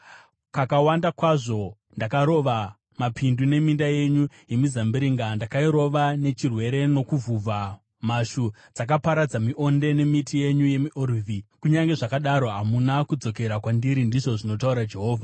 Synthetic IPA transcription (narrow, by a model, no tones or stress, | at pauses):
kakawandakwaʐo̞ | ndakaɾo̞ʋa | mapʰindune̞mindaje̞ɲu | je̞mizambiɾiŋɡandakaiɾo̞ʋane̞t͡ʃirwe̞ɾe̞no̞kuvʱuvʱa | maʃu | d͡zak̬apaɾad͡zamiʔo̞nde̞ne̞mitije̞ɲuje̞miʔorivʱikuɲaŋɡe̞ʐakaɗaɾo̞ɦamunakud͡zo̞ke̞ɾakwandiɾindiʐo̞ʐino̞tauɾad͡ʒe̞ɦo̞ːvʱa